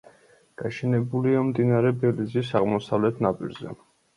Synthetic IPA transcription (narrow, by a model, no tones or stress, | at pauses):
ɡ̥aʃɛnɛbuliamd̪inaɾɛbɛlizisaʁmɔsavlɛt̪ʰnapʼḭɾzɛ̰